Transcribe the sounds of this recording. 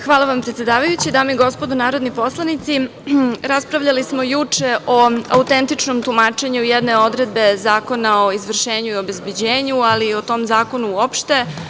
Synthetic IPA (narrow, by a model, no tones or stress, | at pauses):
xʋaːlˠaʋampɾet̪ʲjed̪aːʋajut͡ɕid̪aːmeiɡo̞spo̞d̪unaːɾo̞d̪nipo̞slˠanit̪siɾaspɾavʎalismo̞jut͡ʂe̞ʔoa̰ut̪e̞nt̪it͡ʂno̞mt̪umaːt͡ʂe̞ɲujɛd̪ne̞o̞d̪ɾe̞d̪̚be̞zaːko̞nao̞izʋr̩ʃeːɲuio̞be̞zbe̞d͡ʑeːɲualio̞t̪o̞mzaːko̞nuuopʃt̪e̞